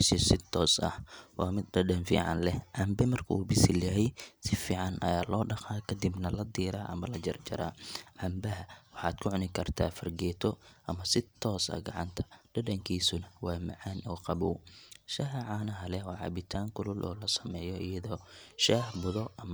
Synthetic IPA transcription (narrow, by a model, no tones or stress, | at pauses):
ʃɪsɪt̪ʰɔːsɐ̰hwɑːmɪd̪ɐɖɐnfḭːʕɑ̰nlɛʕɑmbɪmɐrkʰɐṵːbɪsɪljɐɦɛjsɪfiːʕɑnʔɐ̰jaːlɔːɖɐqaːkʰɐd̪ɪbnɐlɐd̪iːɾaːʔɐ̰mɐlɐd͡ʒɐrt͡ʃɐ̰ɾa̰ːʕɑmbɐɦɐwɑħɑːd̪kʰʊʕʊnɪkʰɐrt̪ʰa̰ːfɐrɡɛːt̪ʰɔʔɐmɐsɪt̪ʰɔːsɐ̰ɡɐʕɑnt̪ʰɐ̥ɖɐɖɐŋkʰiːsʊnɐwɑːmɐ̰ʕaːnʔɔːqɑβuːʃɐɦɐʕaːnɐɦɐlɛɔːʕɑ̰bɪt̪ʰaːŋkʰʊlʊlʔɔ̰ːlɐsɐmɛːjɔɪjɐðɔːʃaːhbʊðɔʔɐm